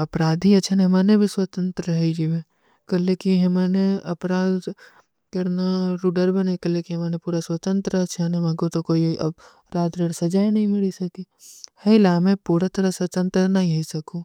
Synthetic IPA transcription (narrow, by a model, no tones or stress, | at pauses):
ɐpɾaːd̪ʱiɐt͡ʃʰaneɦmaːnebʱiswɐt̪ə̃nt̪ɾəɦid͡ʒimẽ | kɐlːekiɦɐmaːneɐpɾaːd̪ | kɐɾnaɾuːɖəɾbɐnekɐlekiɦɐmaːnepuːɾaswɐt̪ə̃nt̪ɾəɐt͡ʃʰanemɐɡot̪okoːiɐ̰b | ɾaːd̪ɾeːɽsɐd͡ʒaːinɐɦĩmɪɭisɐki | hɐɪlaːmẽpuːɾat̪ɐɾasɐt̪ə̃nt̪ɾənɐɦĩɦɐisɐkuː